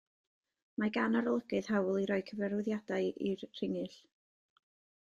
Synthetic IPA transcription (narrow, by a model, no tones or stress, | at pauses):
maɡanɔɾɔlˠəɡɨð̥ɦawlˠiɾɔɨkʰəvɛɾʊðjadaɨirʰr̥ɪŋɨɬ